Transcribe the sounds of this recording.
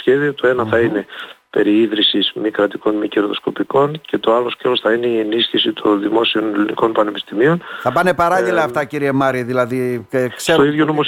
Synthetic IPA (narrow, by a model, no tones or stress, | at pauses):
çe̞ðio̞t̪o̞e̞nɐθɐine̞pe̞ɾiiðɾisizmikɾɐt̪iko̞nmiceɾðo̞sko̞piko̞nce̞t̪o̞ɐlo̞scelo̞sθɐine̞ie̞nisçisit̪ʰo̞nðimo̞sio̞neliniko̞npɐne̞pist̪imio̞nθɐpɐnepɐɾɐʎilɐːft̪ɐciɾiemɐɾiðilɐðikse̞ɾoiðʝonomos